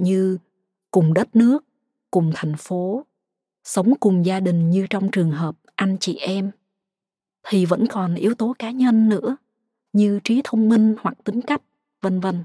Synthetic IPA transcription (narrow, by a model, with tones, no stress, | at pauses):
ɲɨ˧ | kʊ˨˩ŋ͡mɗə˦˥t̚nɨ˦˥ək̚ː | ʊ˨˩ŋ͡mt̪ʰa˨˩jŋ̟fo˨˦ | sə˨˦wŋ͡mkʊ˨˩ŋ͡mzaː˧ɗï˨˩ŋ̟ɲɨ˧t͡ɕɔ˧wŋ͡mt͡ɕɨ˨˩əŋɦəː˨˩p̚ʔa˧jŋ̟t͡ɕḭ˧˩ʔɛ˧m | t̪ʰi˨˩və̰˧˥nkɔ˨˩nʔi˨˦əwt̪o˨˦kaː˨˦ɲə˧nːɨ̰˧˥ə | ɲɨ˧t͡ɕi˨˦t̪ʰə˧wŋ͡mmï˧ŋ̟hwa˨˩k̚t̪ï˨˦ŋ̟ka˦˥jk̟̚ | və˧nvə˧n